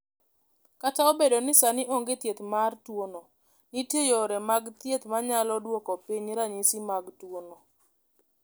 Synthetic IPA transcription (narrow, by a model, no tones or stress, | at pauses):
kataɔbedonɪsanɪʔoŋɡet̪jet̪martwonɔ | nitejoɾɛmaɡt̪jet̪maɲalɔdwokɔpiɲɾaɲisimaɡtwono